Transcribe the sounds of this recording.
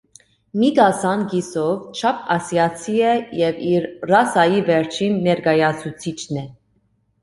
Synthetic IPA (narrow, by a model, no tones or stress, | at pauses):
miɡɑsɑnɡisɔvt͡ʃʰɑpʰɑsjɑt͡sʰiɛjɛviɾrɑsɑjivɛɾt͡ʃʰinːɛɾɡɑjɑt͡sʰut͡sʰit͡ʃʰnɛ